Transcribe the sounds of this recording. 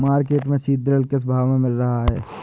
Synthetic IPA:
maːɾkeːʈmẽsiːd̪ɾəlkes̬ɐbʱaːʋmẽmɪlɾɐɦaɦɛ̰ː

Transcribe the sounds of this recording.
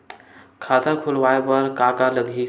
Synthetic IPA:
kʰat̪akʰulʋaepəɾkakaləɡʱi

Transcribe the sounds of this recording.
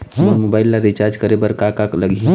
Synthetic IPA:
oɾmobaɪlːaɾit͡ʃaɾd͡ʒkəɾebəɾkakakləɡi

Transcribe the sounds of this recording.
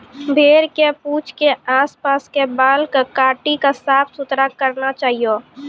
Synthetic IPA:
bʱeːɾkepuːt͡ʃʰkeaːspaːskebaːlkakaːʈikasaːpsʊt̪ɾakəɾnat͡ʃaːɦijo

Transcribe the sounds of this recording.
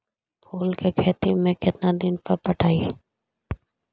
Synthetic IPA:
pʰoːlkekʰɛːt̪imẽkɪt̪nad̪ɪnpəɾpəʈʰaːiː

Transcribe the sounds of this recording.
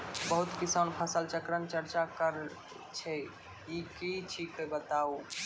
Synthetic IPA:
bəɦut̪kisanpʰəsəlt͡ʃəkɾənt͡ʃəɾt͡ʃakəɾ | t͡ʃʰɛ | ikit͡ʃʰikebət̪au

